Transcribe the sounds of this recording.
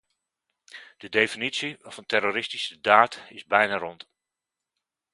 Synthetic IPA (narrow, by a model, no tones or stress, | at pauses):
d̥ədejfinitsiɔfəntɛroɾɪstisədaːtɪzbɛjnarɔnt